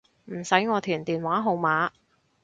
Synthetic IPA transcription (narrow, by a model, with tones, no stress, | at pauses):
m̩˨˩sɐ˨˥jŋɔː˨˧t̪ʰyː˨˩nt̪iː˨nwaː˨˥ɦo˨˧wmaː˨˥